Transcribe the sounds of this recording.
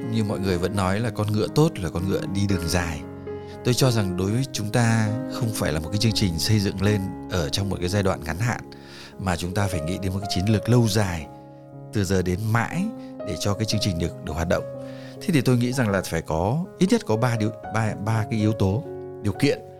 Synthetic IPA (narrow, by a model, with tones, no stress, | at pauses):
ɲɨ˧ŋmɔ̰˧˨jŋɨ˨˩əjvə̰˧˥nːɔ˨˦jlaː˨˩kɔ˧nŋɨ̰˧˨ət̪o˦˥t̚laː˨˩kɔ˧nŋɨ̰˧˨əɗi˧ɗɨ˨˩əŋzaː˨˩j | t̪o˧jt͡ɕɔ˧za˨˩ŋɗo˨˦jvəː˨˦jt͡ɕʊ˨˦ŋ͡mt̪aː˧xə˧wŋ͡mfaː˧˩jlaː˨˩mo˨˩t̚kaː˨˦jt͡ɕɨ˧əŋt͡ɕï˨˩ŋ̟sə˧jzɨ̰˧˨ŋle˧nʔəː˧˩t͡ɕɔ˧wŋ͡mmo˨˩t̚kaː˨˦jzaː˧jɗwa̰ː˧˨nŋa˨˦nha̰ː˧˨n | maː˨˩t͡ɕʊ˨˦ŋ͡mt̪aː˧faː˧˩jŋḭ˧˥ɗe˨˦no˨˩tka˨˦t͡ɕi˨˦ənlɨ˨˩ək̚lə˧wzaː˨˩j | t̪ɨ˨˩zəː˨˩ɗe˨˦nma̰ː˧˥jɗe˧˩t͡ɕɔ˧kaː˨˦jt͡ɕɨ˧əŋt͡ɕï˨˩ŋ̟ɗɨ˨˩ək̚ɗɨ˨˩əkɦwaː˨˩t̚ɗə̰˧˨wŋ͡m | t̪ʰe˨˦t̪i˨˩t̪o˧jŋḭ˧˥za˨˩ŋlaː˨˩faː˧˩jkɔ˨˦ʔi˦˥t̚ɲə˦˥t̚kɔ˨˦ɓaː˧ɗi˨˧ɓːɓaː˧kaː˨˦jʔi˨˦əwt̪o˨˦ | ɗi˨˩əwkḭ˧˨ən